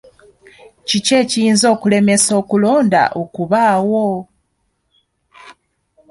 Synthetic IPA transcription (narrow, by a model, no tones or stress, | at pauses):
cice̞ːcijiːnzo̞ːkule̞me̞so̞ːkulo̞ːnda̰ʔokuβaːwo